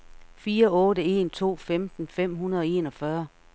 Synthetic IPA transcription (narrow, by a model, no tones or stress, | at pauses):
fiːɐɔ̽ːdəe̝̰nt͡sʰo̝̰ːfemd̥n̩fem̰ɦunɐð̞ˠɒ̽e̝ːnɒ̽fɶɐ